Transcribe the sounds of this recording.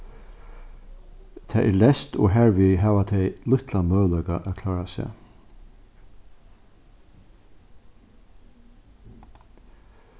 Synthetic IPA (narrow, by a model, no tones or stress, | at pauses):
t̪ʰɛ̰ʔɛ̰lɛst̪ɔ̰ɦæːɹʋiɦæːʋat̪ʰɛɪlʊht̪lanmœːlœkaʔækʰlɑːɹasɛ̰